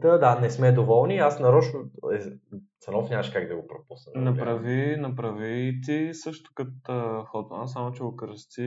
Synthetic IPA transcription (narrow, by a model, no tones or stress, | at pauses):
t̪əd̪anɛsmɛd̪ovɔlˠniasnɐɾɔt͡ʃnoɛt̪sɐnɔfnʲamɐʃkaɡd̪ɐɡopɾopusnənɐpɾɐvinɐpɾɐvit̪isɤʃt̪ʊ̥kət̪əxɔt̪ˠans̬amot͡ʃɛʊkɾst̪i